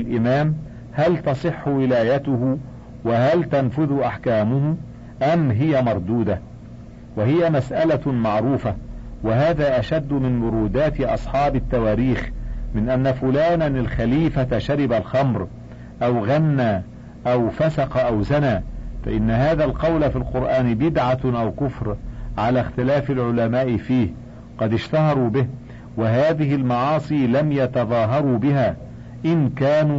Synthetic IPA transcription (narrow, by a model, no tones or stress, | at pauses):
lʔɪmaːm | halt̪ɑsˤɨħːʊwɪlaːjat̪ʊhʊ | waɦalt̪anfʊðʊʔaħkaːmʊhʊ | ʔamɦɪjamɑɾˤd̪uːd̪a | wahɪjamasʔalamɑʕɾuːfawaɦaːðaːʔaʃad̪ːʊmɪnmʊɾuːd̪aːt̪ɪʔɑ̰sˤħɑːbɪt̪ːawaːɾiːxmɪnʔanːafʊlaːnanalxaliːfaʃaɾɪbalxɑmɾ | ʔawɣanːaː | ʔawfasɑqɑʔawzanaːfa̰ʔɪnːahaːðaːlqɑwlafilqʊɾʔaːnbɪd̪ʕaʔawkʊfɾʕalaːxt̪ɪlaːfɪlʕʊlamaːʔɪfiːh | qɑd̪ɪʃt̪ahɑɾˤuːbɪh | wɪɦaːðɪhɪlmɑʕɑːsˤiːlamjɑt̪ɑðˤɑːɦɑɾˤuːbɪɦaː | ʔɪnkaːnuː